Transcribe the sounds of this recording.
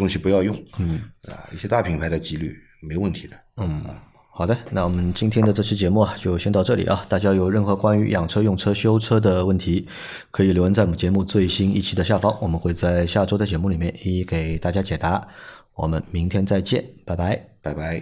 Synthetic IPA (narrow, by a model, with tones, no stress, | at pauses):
t̪ʊ˥ŋɕi˨pu˧˥jɑ˥˧ʊjʊ˥˩ŋn̩˥˩ɐ̰˧˩ḭ˥˩ɕjɛ˥t̪a˥˩pʰi˧˥ŋpʰa˧˥ɪd̪ə˨t͡ɕi˥ly̰˥˩ | me˧˥ɪwə˥˩nt̪ʰi˧˥d̪ə˧n̩˥˩n̩˥˩ | xɑ˨˩d̪ə˦na˥˩wɔ˨˩mə˦nt͡ɕi˥nt̪ʰjɛ˥nd̪ə˨ʈ͡ʂɤ˥˩ɕ̩˥t͡ɕjɛ˧˥mu˥˩ɐ˨˩t͡ɕjo˥˧ʊɕjɛ˥nt̪ɑ˥˧ʊʈ͡ʂɤ˥˩lḭ˨˩ʔɐ˦t̪a˥˩t͡ɕja˥jo˨˩ʊɻə˥˩nxɤ˧˥kwa˥ny˧˥jɑ˨˩ŋʈ͡ʂʰɤ˥jʊ˥˩ŋʈ͡ʂʰɤ˥ɕjo˥ʊʈ͡ʂʰɤ˥d̪ə˨wə˥˩nt̪ʰi˧˥ | kʰɤ˧˥i˨˩ljo˧˥ʊə˧˥nt͡sa˥˩ɪwɔ˨˩˧nt͡ɕɛ˧˥mu˥˧t͡swe˥˩ɪɕi˥nḭ˥˩t͡ɕʰi˨˥d̪ə˧ɕja˥˩fɑ˥ŋwɔ˨˩mə˦nxwe˥˧ɪt͡sa˥˧ɪɕja˥˩ʈ͡ʂo˥ʊd̪ə˨˩t͡ɕjɛ˧˥mu˥˩li˨˩mjɛ˥˩ni˥˩ke˨˩ɪt̪a˥˩t͡ɕja˥t͡ɕjɛ˨˩t̪a˧˥wɔ̰˨˩mə̰˦nmi˧˥ŋt̪ʰjɛ˥nt͡sa˥˧ɪt͡ɕjɛ˥˩npa˧˩ɪpa˧˥ɪpa˧˩ɪba˧˥ɪ